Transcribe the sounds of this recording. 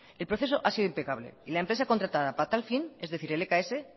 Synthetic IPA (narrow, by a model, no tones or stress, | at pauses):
elpɾoθe̞so̞ʔasiðoimpe̞kaβ̞lḛilaempɾes̬ako̞nt̪ɾat̪að̞apat̪alfine̞zðe̞θiɾelekae̞se̞